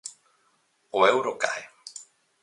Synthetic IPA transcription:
oewɾoka̰e

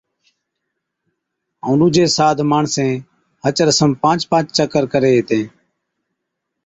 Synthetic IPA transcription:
õːnũːd͡ʒeːsaːd̪ʱmaːɳsẽː | hət͡ʃɾəsəmpãːt͡ʃpãːt͡ʃt͡ʃəkəɾkəɾeːɦeːt̪ẽː

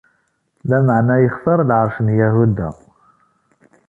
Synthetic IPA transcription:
læməʕnæjəχsɑɾˤlʕəɾˤfənjæɦud̪æ̰

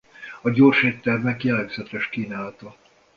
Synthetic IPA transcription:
ɒɟorʃeːt̪ːɛrmɛkjɛlɛɡzɛt̪ɛʃkiːnaːlt̪ɒ

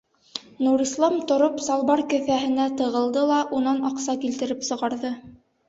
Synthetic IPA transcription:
nuɾislˠɑmt̪ŏɾopsɑlˠβɑɾkɵ̆θæɦɘ̆næt̪ɤ̆ʁɤ̆lˠd̪ɤlˠɑʔunɑnɑqsɑkilt̪ɘ̆ɾɘpsɤ̆ʁɑɾðɤ

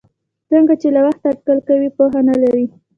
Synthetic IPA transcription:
t͡səŋɡat͡ʃelawaxt̪aːʈ̪̚kalkawipoɦanalaɾi

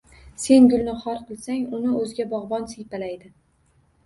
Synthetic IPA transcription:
se̞nɡʲʊlnɪχɒɾqʰɨlˠsaŋʊnɪɵzɡʲabɒʁbɒnsɪjpalajd̪ɪ

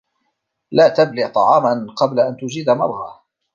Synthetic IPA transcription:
laːt̪ablɪʕt̪ˤɑʕɑːmanqɑblaʔant̪ʊd͡ʒiːd̪amɑɾˤɣa

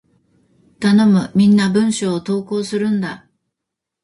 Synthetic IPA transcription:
t̪ano̞mɯ̟mʲĩnːabɯ̟̃ɰ̃ɕoːt̪o̞ːko̞ːsɨɾɯ̟̃nd̪a

